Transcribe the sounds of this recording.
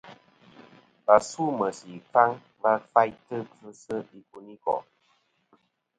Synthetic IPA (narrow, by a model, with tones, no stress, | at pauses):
ba˨su˦mə˨si˨fa˦ŋ | ba˦fa˦jtə˦kɨ˦sə˦i˨ku˦ni˦kɔ̰˨